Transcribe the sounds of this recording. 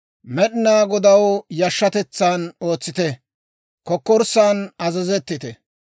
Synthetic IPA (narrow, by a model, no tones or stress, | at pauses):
mɛɗɪnaːɡɔd̪ɐwjɐʃːɐt̪ɛt͡sːano̞ːt͡sːɪt̪ɛ | kɔkːɔɾsaːnɐzɐzɛt̪ːɪt̪ɛ